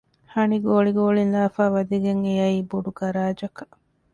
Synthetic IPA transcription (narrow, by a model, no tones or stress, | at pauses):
hɐniɡoːɭiɡoːɭinlaːfaːʋɐd̪iɡeŋejɐiːboɖuɡɐɾaːd͡ʒɐkɐ̥